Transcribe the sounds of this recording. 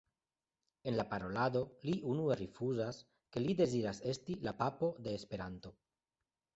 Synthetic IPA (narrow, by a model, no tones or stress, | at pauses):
e̞nlapaɾo̞lad̪o̞liʔunue̞ɾifuzas | ke̞lid̪e̞ziɾase̞stilapapo̞d̪e̞ːspe̞ɾanto̞